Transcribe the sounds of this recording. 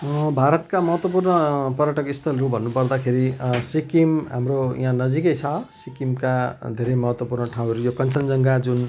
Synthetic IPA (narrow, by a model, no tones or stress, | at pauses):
bʱaɾʌt̪kamʌɦʌt̪wʌpurnʌpʌɾjaʈʌkist̪ʰʌlɾubʱʌnːupʌrd̪akʰeɾisikimɦa̰mroj̰ɦãnʌd͡zikʌjt͡sʰʌsikimkad̪ʱeɾejmʌɦʌt̪wʌpurnʌʈʰaw̃ɦʌɾujokʌnt͡sʌnd͡zʌŋɡad͡zun